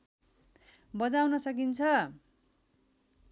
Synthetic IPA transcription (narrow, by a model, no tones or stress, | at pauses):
bʌd͡zawnʌsʌk̬int͡sʰʌ